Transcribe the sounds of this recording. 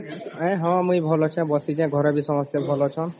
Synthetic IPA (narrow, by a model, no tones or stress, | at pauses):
ɛ̃ɦɔ̃mũjbʱɔlot͡ʃʰɛ̃bɔsit͡ʃɛ̃ɡʱɔɾabisɔmɔst̪ebʱɔlot͡ʃʰɔn